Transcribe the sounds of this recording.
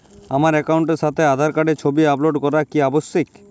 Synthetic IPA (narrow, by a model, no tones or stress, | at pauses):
amaɾɛkauɳʈeɾʃat̪ʰead̪ʱaɾkaɖeɾt͡ɕʰobiaploɖkɔɾakiabosːik